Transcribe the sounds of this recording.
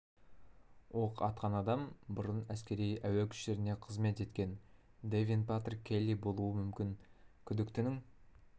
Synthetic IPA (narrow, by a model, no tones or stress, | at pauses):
wʔoqɑt̪̚qɑnɑd̪ɑmbʊɾənæskʲe̞ɾijæwekʲʰʏ̥ʃe̞ɾɪneqʰəzme̞t̪e̞t̪kʲe̞n | d̪evʲinpat̪rkʲʰelːijbo̞lˠuəmʏmkʲɪŋkʲʰʏd̪ɪkt̪ɪnɪŋ